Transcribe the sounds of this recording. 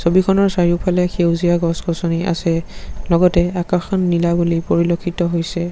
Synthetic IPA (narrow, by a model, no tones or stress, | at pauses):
sobikʰɔnɔɹsaɹiupʰalɛkʰewzijaɡɔskɔsɔniʔa̰sɛlɔɡɔtɛakaxɔnːilabulipoɹilokʰːitɔɦojsɛ